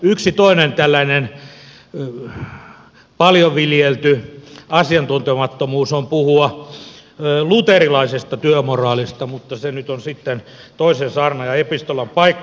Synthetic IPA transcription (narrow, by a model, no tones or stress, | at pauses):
yksit̪oinent̪ælːæinen | pɑljoʋiljelt̪yɑsiɑnt̪unt̪emɑt̪ːomuːsompuhuɑ | lut̪erilɑisest̪ɑt̪yømorɑːlist̪ɑmut̪ːɑsenyt̪onsit̪ːen | t̪oisensɑːrnɑjɑepist̪olɑmpɑikːɑ